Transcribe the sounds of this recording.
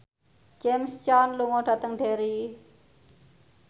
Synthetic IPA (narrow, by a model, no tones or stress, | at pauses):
t͡ʃemst͡ʃaːnluŋõːʈʰət̪əŋd̪ʱeːɾi